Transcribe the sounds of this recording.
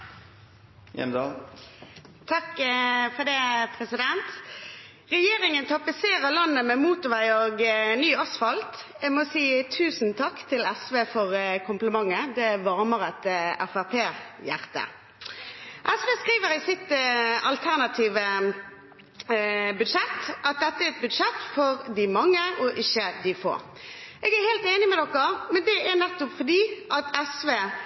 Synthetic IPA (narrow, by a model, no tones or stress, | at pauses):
ɛ̰md̪ɑ | t̪ʰɑkfɔd̪ɛːpʰʁɛsɪd̪ɛnt̪ | ʁɛjeːʁɪŋənt̪ʰɑpɪseːʁəlɑnːəmɛmuːt̪ʊʋæɪoːɡnːyːɑsfɑlt̪ | ɛmɔsiːt̪ʰʉːsnt̪ʰɑkːt̪ʰɪlæsʋeːfɔʁkʰʊmpləmɑŋːəd̪ɛʋɑʁməʁæt̪æfæʁpʰeːjæ̰ʁt̪ə̰ | ʔɛsʋeːskʁiːʋəɾɪsɪt̪ɑlt̪ʰæʁnɑt̪ʰiːʋə | bʉd̪ʂɛt̪ʔɑt̪̚d̪ɛt̪ːəæɾɛt̪̚bʉd̪ʂɛt̪ːfɔɾd̪ɪmɑŋːəɔʔɪçːəd̪ɪfo̰ːɾ | ʔeːɡæɾheːlt̪eːnɪmɛd̪ɔkːəmɛnd̪ɛʔænɛt̪ːʊpfɔd̪iːʔɑt̪ɛsʋeː